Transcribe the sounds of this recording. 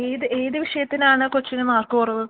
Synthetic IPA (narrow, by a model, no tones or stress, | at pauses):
eːðɨʔe̞ːðɨʋiʂɐjɐt̪ːinaːɳɨkot͡ɕːinɨmaːrkpurɐʋɨ